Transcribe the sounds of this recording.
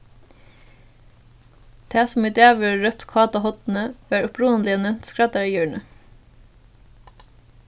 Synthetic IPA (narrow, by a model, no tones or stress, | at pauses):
d̪̥ʰæːsmɪt̪æːʋəɹœpt̪kʰɑːt̪ɑhɔt̪n̩əʋæːɹʊpʰɾuːənlɪənɛmt̪skɹɑt̪əɹiːjøːɳə